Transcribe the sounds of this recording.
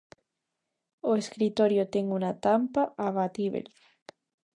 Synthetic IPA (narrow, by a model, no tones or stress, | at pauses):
oeskɾit̪oɾjot̪eŋunat̪ampaʔaβat̪iβḛl